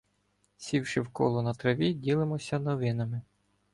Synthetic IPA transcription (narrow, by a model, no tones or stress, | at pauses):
sʲiwʃɪwkɔ̰lˠɔnɐt̪ɾɐʋʲidʲilˠɪmɔsʲɐnɔʋɪnɐmɪ